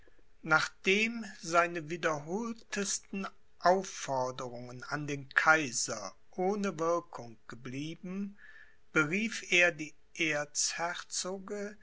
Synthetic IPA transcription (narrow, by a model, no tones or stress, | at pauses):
naːχd̥eːmzaɪnəviːdɐɦoːltʰəstn̩ | ʔaʊfɔɐdəʁʊŋənandeːnkʰaɪzɐ | ʔoːnəvɪɐkʰʊŋɡ̥əbliːbm̩ | b̥əʁiːfeːɐdiː | ʔeːɐt͡shɛt͡soːɡə